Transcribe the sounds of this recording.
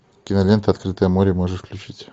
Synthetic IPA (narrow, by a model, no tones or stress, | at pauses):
kʲɪnɐlʲent̪əɐt̪kɾɨt̪əjəmoɾʲɪmoʐɨʂfklʲʉt͡ɕitʲ